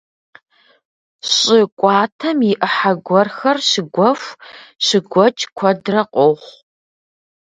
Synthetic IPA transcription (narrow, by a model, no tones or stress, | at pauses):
ɕʼɪkʷʼɑːtʰɐmjɪʔəħaɡʷɔrxɐrɕɪɡʷɔffʷɕɪɡʷɔt͡ʃʼkʷʰɔdrɐqʷʼoχʷ